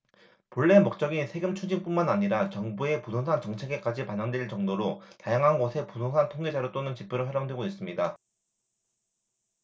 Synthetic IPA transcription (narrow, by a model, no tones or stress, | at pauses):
poɭːe̞mok̚t͡ɕ͈ʌɡinsʰe̞ɡɯmt͡ɕʰud͡ʑiŋp͈unmanaɲiɾat͡ɕʌŋbue̞pusʰoŋsʰant͡ɕʌŋt͡ɕʰe̞ɡe̞k͈ad͡ʑipaɲʌŋdweɭt͡ɕʌŋdoɾotajaŋɦanɡʌsʰe̞pusʰoŋsʰantʰoŋɡe̞d͡ʑaɾot͈onɯnt͡ɕip͈ʰɯɾɯɭɸaɾjoŋdwe̞ɡois͈ɯmɲida